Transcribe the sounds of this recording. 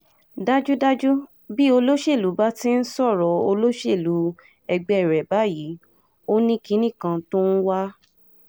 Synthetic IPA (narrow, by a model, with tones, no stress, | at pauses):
da˦d͡ʒu˦da˦d͡ʒu˦ | bi˦o˧lo˦ʃe˦˨lu˨˦ba˦ti˦n̩˦sɔ˦˨ɾɔ˨˦o˧lo˦ʃe˦˨lu˨˦ | ɛ˧ɡ͡bɛ˧˦ɛ˦˨ɾɛ˨ba˨˦ji˨˦ | o˦nĩ˦ki˨˦nĩ˦˨kã˧to˦n̩˦wa˦